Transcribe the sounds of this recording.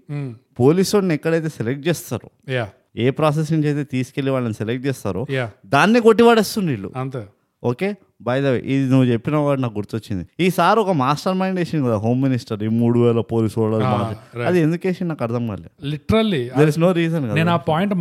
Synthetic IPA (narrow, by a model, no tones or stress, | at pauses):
po̞ːlisonːɛkːɐɽɐjt̪eːselek̚ʈ̚t͡ʃɛːst̪a̰ːɾu | a | eːpɾaːs̬esiɲt͡ʃejt̪eːt̪iːsi̥ke̞lːiʋaːɭɐniselek̚ʈ̚t͡ʃɛːst̪aːɾoːjd̪aːnːikoʈːiʋaːɽeːst̪und̪iːlːṵɐnt̪e | oːke̞ː | bɐjd̪ɐʋḭʔid̪inuʋːut͡ʃe̞pːinɐʋaːɽinaːk̚ɡuɾt̪uot͡ʃːind̪iiːsaːɾɔkɐmaːsʈɐɾmɐjɳɖeːʂɐnkɐd̪aɦo̞ːmːinisʈɐɾimuːɽuʋɛːlɐpo̞ːliːsʋɐɭːɐɾumaːiɾɐd̪iend̪ukeːʃɐnnaːkɐɾd̪ɐmɡa̰lːḭliʈɐɾɐlid̪eɾisnoːɾiːzɐnkɐneːnaːpaːjiɳʈ